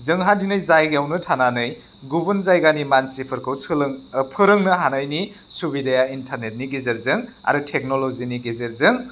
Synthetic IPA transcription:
zɯŋɦandinɯjzajɡjawnɯtʰananɯj | ɡubɯnzajɡanimansipʰɯɾkʰɯwsɯlpʰɯɾɯŋnɯɦanajni | subidajaintʰaɾnet̚niɡizeɾzɯŋ | a̰ɾutʰek̚noloziniɡezeɾzɯŋ

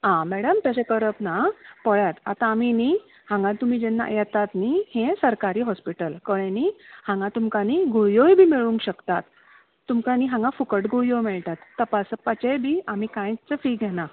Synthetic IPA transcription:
ãmɛɽəmt̪jat͡ɕekəɾəpnapəɭjat̪a̰t̪ãːmini | hãŋɡãt̪um̤iːd͡ʑɛnːa̰jɛt̪at̪nihẽsəɾkaɾiːɦɔspiʈəlkəɭenihãŋɡãt̪umkaniɡujojbʱiːmiɭũŋkɕəkt̪at̪ː | umkaniɦãŋɡãfukəʈɡujomɛɭt̪at̪ːəpasəpət͡ɕejbʱiːam̤ikãjt͡səfiɡʱɛna

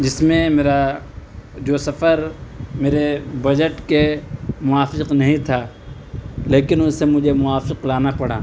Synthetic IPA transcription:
d͡ʒɪsmẽmeːɾa | d͡ʒoːsɐfəɾmeːɾebɐd͡ʒəʈkemʊwaːfɪqnɐɦĩt̪ʰaː | leːkɪnʊsemʊd͡ʒʱemʊaːfɪqlaːnapɐɽa̰ː

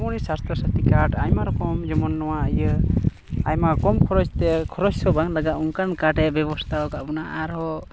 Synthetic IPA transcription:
mɔnisast̪ʰɾɔsat̪ikaʈajmaɾɔkɔmd͡ʒɔmɔnːɔwaajə | ajmakɔmkʰɔɾɔt͡ʃt̪ɛkʰɔɾɔssɔbaŋlaɡat̪uŋkankaʈɛbɛbɔst̪ʰaɔkabɔnaʔaɾɦɔ

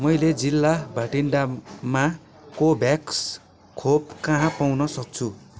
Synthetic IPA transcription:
mʌjled͡zilːabʱaʈinɖama | kobʱjaks | kʰopkʌɦãpawnʌsʌk̚t͡sʰu

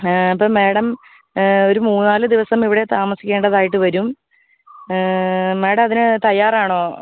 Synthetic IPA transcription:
ɐpːɐːme̞ːɽɐm | o̞ɾumuːnnaːlɨd̪iʋɐsɐmiʋiɽe̞t̪aːmɐsikʲːe̞ːɳɖɐðaːjiʈːɨʋɐɾum | me̞ːɽɐmɐðinɨt̪ɐjːaːraːɳo̞ː

